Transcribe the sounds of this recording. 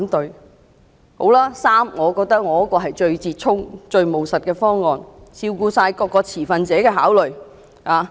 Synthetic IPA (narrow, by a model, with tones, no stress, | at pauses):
t̪ɵ˨˧ɥ | ho˨˥wlaː˥saː˥mŋɔː˨˧kɔː˧k̚t̪ɐ˥k̚ŋɔː˨˧ɐ˥kɔː˧ɦɐ˨jt͡ʃɵ˧ɥt͡siː˧t̚t͡ʃʰʊ˥ŋt͡ʃɵ˧ɥmo˨wsɐ˨t̚kɛː˧fɔː˥ŋːɔː˨˧nsʰiː˧wkuː˧saː˧jkɔː˧kːɔː˧t͡sʰiː˨˩fɐ˧nt͡sɛː˨˥kɛː˧ɦaː˨˥wlɵ˨˩ɥ | haː˨